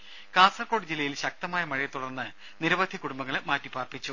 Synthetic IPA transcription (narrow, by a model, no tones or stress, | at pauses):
kaːsɐrkoːɽid͡ʑilːɐjilɕɐk̚t̪ɐmaːjɐmɐɻijɐt̪ːuɽɐrnːɨ | niɾɐʋɐd̪ʱjɐkuɽumbɐŋːɐɭmaːtːipaːrpit͡ɕːu